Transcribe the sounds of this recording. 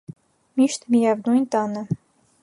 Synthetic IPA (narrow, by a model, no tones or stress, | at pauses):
miʃt̪mijævnujnt̪ɑnə̆